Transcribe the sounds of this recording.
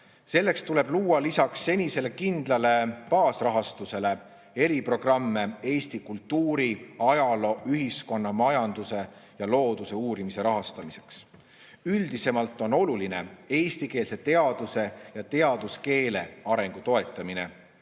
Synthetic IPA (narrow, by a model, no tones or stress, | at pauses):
se̞lːe̞kst̪ule̞b̥luːɑlisɑksːe̞nʲise̞le̞kind̪̥lɑle̞pɑːsrɑɦɑst̪use̞le̞ | e̞ɾipro̞ɡ̥rɑmːe̞e̞ːst̪ikult̪ːuːɾiɑjɑlo̞ʔyɦisko̞nːɑmɑjɑnd̪̥use̞ | jɑlo̞ːd̪̥use̞uːɾimise̞ɾɑɦɑst̪ɑmise̞̥ks | yld̪̥ise̞mɑlt̪ːˑo̞no̞luline̞e̞ːst̪ike̞ːlse̞t̪e̞ɑd̪̥use̞jɑt̪e̞ɑd̪uske̞ːle̞ɑɾe̞ŋɡ̥ut̪o̞e̞t̪ːˑɑmine̞̰